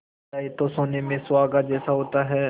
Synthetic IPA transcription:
aːit̪oːsoːneːmẽːsʊʋaːɡaːd͡ʒɛːsaɦoːt̪aːɦɛː

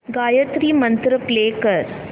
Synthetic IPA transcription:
ɡaːjɐt̪ɾimɐnt̪ɾɐpleːkɐɾ

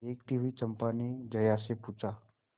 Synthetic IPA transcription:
ekt̪iʋit͡səmpaned͡ʑəjaseput͡sa

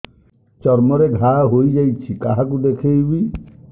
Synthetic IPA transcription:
t͡ʃɔɾmɔɾeɡʱaɦojd͡ʒajt͡ʃʰikaɦakud̪ekʰejbi

